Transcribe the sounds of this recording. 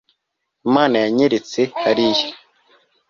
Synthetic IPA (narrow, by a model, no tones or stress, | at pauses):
maːnajaɲeɾet͡sehaɾije